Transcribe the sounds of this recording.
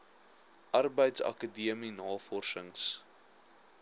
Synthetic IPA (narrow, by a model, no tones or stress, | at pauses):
ʔɐrbəjtsɐ̰kədiəminɑːfɔrsəŋs